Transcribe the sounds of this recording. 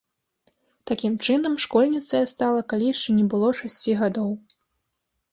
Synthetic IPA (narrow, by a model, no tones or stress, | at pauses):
t̪akʲimt͡ʂɨnɐmʂkɔlʲnʲit̪sɐjɐst̪alˠɐkalʲiʂt͡ʂɐnʲɛbɨlˠɔʂasʲt͡sʲiɣad̪ɔw